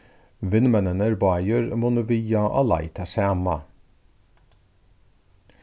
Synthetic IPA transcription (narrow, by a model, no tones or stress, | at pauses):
ʋɪnmɛnənəɾbɑːjøɾmʊnʊʋiːɑʔɑ̰lɑ̰ɪt̪ʰɑsæːmɑ